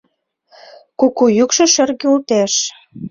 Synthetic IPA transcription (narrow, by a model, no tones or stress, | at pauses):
kukujykʃɤ̆ʃø̆rɣeult̪eʃ